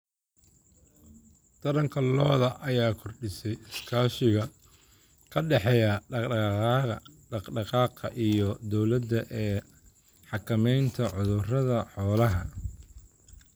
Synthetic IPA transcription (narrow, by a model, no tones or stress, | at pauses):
t̪ʰɐɾɐŋkʰɐlɔːðɐʔɐjaːkʰɔrɖɪsɛjɪskʰaːʃɪɣɐ | kʰɐɖɛħɛːjɐ | ɖɑqɖɑqɑːqɐʔijɔd̪ɔwlɐd̪ɐʔɛː | ħɑkʰɐmɛjnt̪ʰɐʕʊðʊrɐðɐħɔːlɐɦɐ